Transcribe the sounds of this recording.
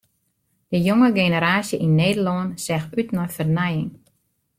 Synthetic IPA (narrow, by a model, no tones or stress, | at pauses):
d̥əjoŋəɡenəɾaːsjəʔinːeːdəlɔənsɛxytnɔjfərnɛjɪŋ